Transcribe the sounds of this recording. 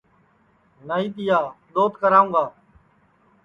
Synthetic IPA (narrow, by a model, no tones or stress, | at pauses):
naːiːt̪ɪjaːɗ̪oːt̪kəɾaːũːɡaː